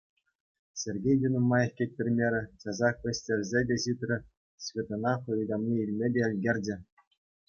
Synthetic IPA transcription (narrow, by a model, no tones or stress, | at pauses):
sʲerʲɡʲejd̪ʲunomːɑjefkʲet̚ʲpʲɘ̆rʲmʲeɾʲɘ̆t͡ɕɑzɑkʋʲĕsʲtʲerʲzʲedʲeɕit̪ʲrʲɘ̆ | ɕvʲet̪onɑχulʲid̪ɑmnʲiilʲmʲedʲeɘ̆lʲɡʲerʲdʲĕ